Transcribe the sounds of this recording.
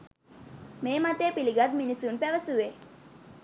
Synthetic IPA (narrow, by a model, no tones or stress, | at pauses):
meːmat̪eːpiliɡat̪̚minisunpæʋəsuʋe